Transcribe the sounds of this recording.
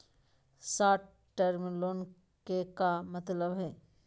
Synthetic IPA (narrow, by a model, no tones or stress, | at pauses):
saːʈ̚ | ʈeɾmiloːn | kekamət̪ləbɦɛː